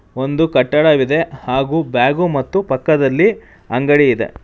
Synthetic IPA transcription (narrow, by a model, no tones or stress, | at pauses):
o̞nd̪ukɐʈːɐɽɐʋid̪e̞haːɡuːbjaːɡumɐt̪ːupɐkːɐd̪ɐlːi | ɐŋɡɐɽijid̪e̞̰